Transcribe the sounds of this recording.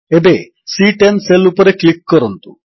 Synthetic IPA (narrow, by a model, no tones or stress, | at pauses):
ebe | siʈenselupɐɾeklikːɔɾont̪u